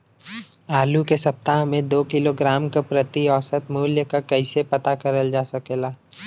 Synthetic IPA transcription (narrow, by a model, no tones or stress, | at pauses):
aːlukesɐp̚t̪aːɦmẽd̪oːkɪloɡɾaːmkapɾɐt̪iɔːsət̪muːljəkakɐɪsepɐt̪akɐɾəld͡ʒaːsɐkelaː